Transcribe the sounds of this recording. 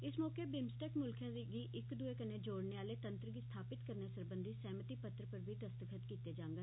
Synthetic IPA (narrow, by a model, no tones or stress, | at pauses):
ɪsmɔːkeːbɪmsʈɛːkmʊlkʰjãːd̪iːɡiːʔɪkd̪ueːkəneːd͡ʒoːɽneːaːleːt̪ə̃nt̪ɾəɡist̪ʰaːpɪt̪kəɾneːsəɾbənd̪iːsɛːmət̪iːpət̪ɾəpəɾbʱiːd̪əst̪əkʰət̪kiːt̪eːd͡ʒãːŋɡaː